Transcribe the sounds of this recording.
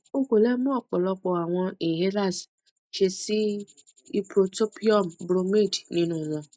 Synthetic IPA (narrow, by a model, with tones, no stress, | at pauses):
o˦kʷo˨le˦m˦ɔ˦˨k͡pʊ˨lɔ˦k͡pɔ˨a˨ŋʷɔ˦e˨ɦe˦ɾa˦˨s | t͡ʃe˧si˦ | i˦pɾo˨to˦pi˦ɔ˦˨m̩˨bɾo˦me˦˨dnĩ˦nũ˦˨zɔ˦